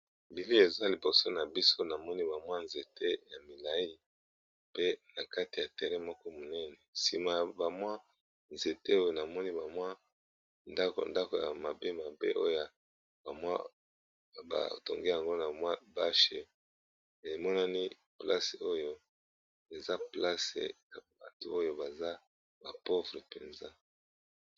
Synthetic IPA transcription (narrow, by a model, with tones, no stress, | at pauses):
bi˨li˦e˨za˦li˨bo˨so˦na˨bi˦so˦na˨mɔ˦ni˦ba˨mwa˦nze˨te˦ja˨mi˨la˨ji˦ | pe˦na˨ka˦ti˨ja˨tɛ˨ʁɛ˦mɔ˦kɔ˦mo˨nɛ˦nɛ˨si˨ma˨ba˨mwa˦ | nze˨te˦o˦jo˨na˨mɔ˦ni˦ba˨mwa˦ | nda˦ko̰˨nda˦ko˨ja̰˨ma˨be˦ma˨bḛ˦ʔo˦ja˨ | ba˨mwa̰˦ | ba̰˨to˨ŋɡe˦ja˨ŋɡo˦na˨mwa˦ba˦ʃe˨ | e˨mɔ˦na˦ni˦ | pla˦se˨o˦jo˦ | e˨za˦pla˦sḛ˨ja˨ba̰˨tṵ˨o˦jo˦ba˨za˦ | ba˨po˦vʁe˨pe˨nza˦